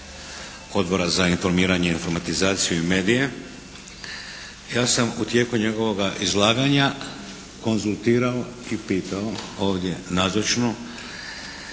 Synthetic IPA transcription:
o̞d̪bo̞ɾazainfo̞ɾmiːɾaɲe̞info̞ɾmat̪izaːt̪sijuime̞ːd̪ije̞ | jaːsamut̪je̞ːkuɲe̞ɡo̞ʋo̞ɡaʔizlˠaːɡaɲa | ko̞nzulˠt̪iːɾaoipiːt̪aoo̞ːʋd̪ʲje̞nazot͡ʃno

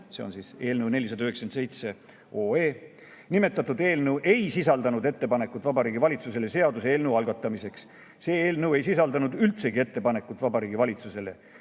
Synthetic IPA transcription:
se̞onsiːse̞ːlnəwne̞lʲːisɑd̪ɑyhekskense̞jt̪se̞ | oːeː | nime̞t̪ːˑɑt̪ːˑud̪̥e̞ːlnewʔe̞jsisɑld̪ɑnud̪e̞t̪ːe̞pɑne̞kːˑut̪ːˑvɑbɑɾiːɡivɑlʲit̪suse̞le̞se̞ɑd̪useeːlneuɑlɡ̥ɑt̪ːˑɑmise̞ks | se̞ːeːlnewe̞jsisɑld̪ɑnud̪ylt̪se̞ɡ̥ie̞t̪ːe̞pɑne̞kːut̪ːˑvɑbɑɾiːɡivɑlʲit̪suse̞le̞̰

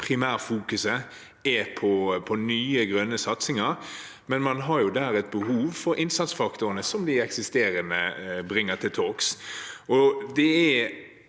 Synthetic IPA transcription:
pʰʁɪmæːʁfuːkʉsə | ɛpʰɔpʰɔnyːəɡɾœnːəsɑt̪sɪŋɑɾ | mɛnmɑnɦɑɾjʊd̪æːɾɛt̪̚bəɦuːʋfɔɾʔɪnsɑt̪sfɑkt̪ʊʁənəsɔmd̪ɪɛksɪst̪eːɾənəbɾɪŋːət̪ʰɪlt̪ʰoːksɔd̪ɛɛ

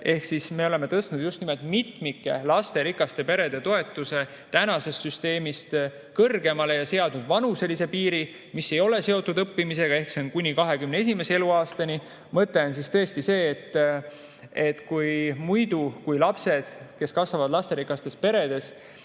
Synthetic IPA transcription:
e̞hksisme̞ole̞me̞t̪ɤst̪nud̪̥just̪nimelt̪mit̪mikːˑelɑst̪e̞ɾikːˑɑst̪e̞pe̞ɾe̞d̪e̞t̪o̞e̞t̪ːˑuse̞ | t̪ænɑse̞st̪syst̪e̞ːmist̪ | kɤrɡe̞mɑle̞jɑse̞ɑd̪nud̪vɑnuse̞lise̞piːɾi | misːe̞jo̞le̞se̞ot̪ːˑud̪ɤpːimise̞ɡ̥ɑe̞hkseonkunʲikɑɦe̞kymnee̞s̬ime̞see̞luɑːst̪ɑnʲi | mɤt̪ːe̞ons̬ist̪ɤ̞est̪ise̞ːt̪ː | e̞t̪ːkujmujd̪ukujlɑpse̞d̪̥ke̞skɑsvɑvɑd̪lɑst̪eɾikˑɑst̪e̞spe̞ɾe̞d̪̥e̞s

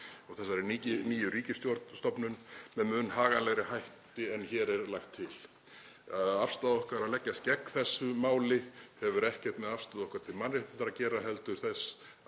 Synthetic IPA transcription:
ɔɣθɛsːaɾɾɛɾniniːjʏɾiːcɪst̪jɔɾt̪nst̪ɔpnʏnmɛðmʏnːɦaːɣanlɛɣɾɪhajht̪ɪɛnçɛːɾɛɾlajxt̪ʰːɪl | aðafst̪aðɔhkaɾaðlɛcːast̪̚cɛkːθɛsːʏmaːwlɪhɛvʏɾɛhcɛr̥t̪mɛðafst̪aðɔhkaɾ̥t̪ʰɪlmanrɪht̪ɪnaɾacɛːɾaɦɛlt̪ʏɾ̥θɛs

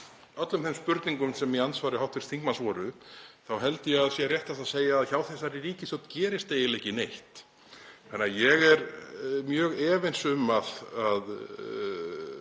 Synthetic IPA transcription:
œt̪lʏmθejmspʏɾt̪niŋkʏmsɛmjɛansvaːɾɪɦawht̪fɪɾ̥st̪θiŋkmansvɔːɾʏθawɦɛlt̪ɪjɛaðsjɛrjɛht̪θasaðseːjaːðçawθɛs̬aɾiɾiːcɪsɔwt̪cɛːɾɪst̪eːjɪlehcɪnejht̪ʰ | anːajɛɣɛɾmjœːɣɛːvɪnsʏmaðað

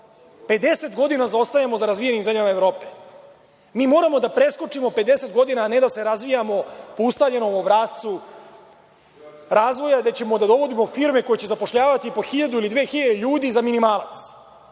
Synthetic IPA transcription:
pe̞d̪e̞se̞t̪ɡo̞d̪inazaost̪ajamo̞zaɾazʋije̞nimzemʲʎamaevɾo̞ːpe | miːmo̞ːɾamo̞d̪apɾe̞sko̞t͡ʂimo̞pe̞d̪e̞se̞t̪ɡo̞d̪inaːne̞d̪ase̞ɾazʋijamo̞poust̪avʎe̞no̞mobɾaːt̪t̪su | ɾaːzʋo̞jad̪e̞t͡ɕe̞mo̞d̪ad̪o̞ʋo̞d̪imo̞fiːɾme̞ko̞jet͡ɕe̞zapo̞ʂʎaːʋat̪ipoxiʎad̪uilid̪ʋeːxiʎad̪eʎuːd̪izaminimaːlˠa̰t̪s

